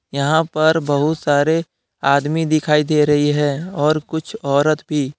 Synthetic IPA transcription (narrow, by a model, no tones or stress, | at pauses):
jɐɦãpɐɾbɐɦʊt̪saːɾe | aːd̪mid̪ɪkʰaːid̪eːɾɐɦiɦɛ̃ːɔːɾkʊt͡ʃʰɔːɾət̪bʱiː